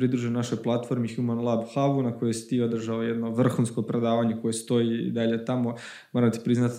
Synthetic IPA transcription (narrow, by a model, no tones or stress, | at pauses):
ɾid̪ɾuʒenaʃojplˠat̪fo̞ɾmixjumanlˠabxaʋunako̞josi̥t̪iːo̞d̪r̩ʒaloje̞d̪no̞ʋr̩xunsko̞pɾe̞d̪aːʋaɲe̞ko̞jest̪o̞ḭd̪aʎe̞t̪amo̞ | mo̞ɾamt̪i̥pɾiznat̪